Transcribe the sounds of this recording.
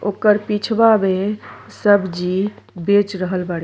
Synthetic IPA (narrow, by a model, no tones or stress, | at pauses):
okəɾpit͡ʃʰbabesəbd͡ʒibet͡ʃɾəɦəlbaɽ